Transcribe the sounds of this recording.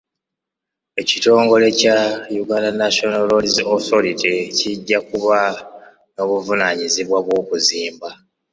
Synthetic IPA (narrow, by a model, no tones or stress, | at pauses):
e̞cito̞ːŋɡo̞le̞cajuɡalanaʃonalolizoθoɾiticiɟːakuβa | no̞βuvunaɲiziβwaβwo̞ːkuziːmba